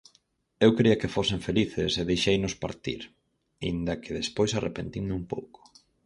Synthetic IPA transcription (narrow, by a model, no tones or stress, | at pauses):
ewkɾiɐkɪfoseɱfeliθɪseðejʃejnʊspa̰ɾt̪ḭɾ | ḭnd̪ɐkʰeðespojsarʔepent̪iŋnumpo̰wko̥